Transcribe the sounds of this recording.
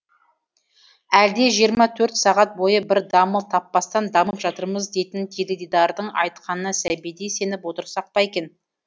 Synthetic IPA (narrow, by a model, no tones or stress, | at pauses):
æld̪e̞ʒijəɾmɑt̪ʰɵɾt̪sɑʁɑt̪̚bo̞jəbɪɾd̪ɑməlˠt̪ʰɑpːɑst̪ɑnd̪ɑməpʒɑt̪əɾməzd̪e̞jt̪ɪnt̪ʲʰeled̪id̪ɑɾd̪əɴɑ̰jt̪̚qʰɑnənəsæbijd̪ejse̞nɪpwo̞t̪əɾsɑq̚pɑekʲe̞n